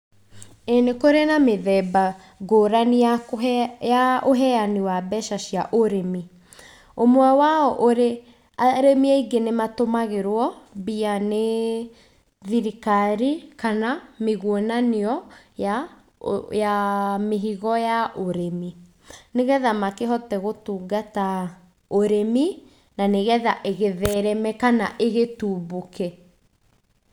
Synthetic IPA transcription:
enekoɾenameðɛba | ɡoːɾania | jaʔoɦɛaniwabɛʃaʃiaʔoɾemi | omwɛwaɔʔoɾe | aɾemiaiɡenematomaɣeɾwɔbiane | ðiɾikaɾikanameɣwonaniɔ | ja | jameɦiɣɔjaʔoɾemi | neɣɛðamakeɦɔtɛɣotuːɡata | oɾemi | naneɣɛðaʔeɣeðɛɾɛmɛkanaʔeɣetuːbokɛ

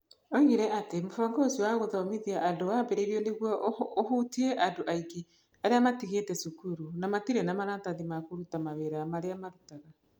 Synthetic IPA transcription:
ɔɣiɾɛʔatemofɔŋɡosiwaɣoðɔmiðiaʔandowambeɾeɾiɔneɣwɔohutiɛʔandoʔaiɡe | aɾeamatiɣeːtɛsukuɾunamatiɾɛnamaɾataðimakoɾutamaβeɾamaɾeamaɾutaɣa

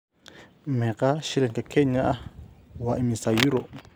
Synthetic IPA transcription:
mɛkaʃiɾɛŋkakʰɛɲaʔawaʔimisajuɾo

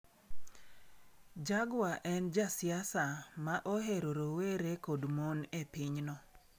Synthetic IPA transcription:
d͡ʒaɡwaʔɛnd͡ʒasɪasamaʔoɦeɾoɾoweɾekodmonepiɲnɔ

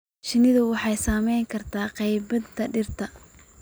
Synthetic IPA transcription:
ʃɪnɪðʊwɑħɑjsaːmɛjŋkʰɐrt̪ʰaːqɛjbɐd̪t̪ʰɐɖɪrt̪ʰɐ

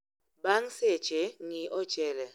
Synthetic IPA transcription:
baŋset͡ʃeŋiʔɔt͡ʃʼɛlɛ

